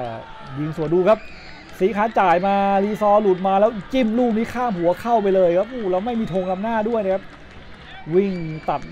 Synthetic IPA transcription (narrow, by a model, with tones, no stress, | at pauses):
wi˧˩ŋsu˨˩ənduː˧kʰa˦˥p̚ | siː˨˦kʰaː˦˥t͡ɕaː˨˩jmaː˧liː˧sɔː˧lu˨˩t̪̚maː˧lɛː˦˥wt͡ɕi˥˩mluː˥˩miː˦˧˥kʰaː˥˩mhu˨˩˦ɐkʰa˥˩wpa˧jlɤː˧jkʰa˦˥p̚ʔuː˧˩lɛː˦˥˩wma˥˩jmiː˧t̪ʰoː˧ŋna˧˥m̚naː˥˩du˥˩əjna˧˩kʰa˦˥p̚ | wi˥˩ŋt̪a˨˩p̪̚